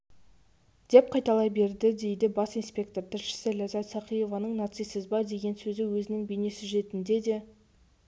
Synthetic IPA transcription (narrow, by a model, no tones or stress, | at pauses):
d̪̥e̞p̚qʰɑjt̪ɑlˠɑjbe̞ɾd̪ɪd̪e̞jd̪ɪbɑsijnspʲe̞k̚t̪o̞ɾt̪ʰɪɾʃɪ̥sɪlʲæzɑt̪sɑqijo̞vɑnəɴnat̪sijsɪzbɑd̪e̞ɡʲe̞nsɵzɪwɵzɪnɪŋbejne̞sɪʒe̞t̪ɪnd̪e̞d̪e̞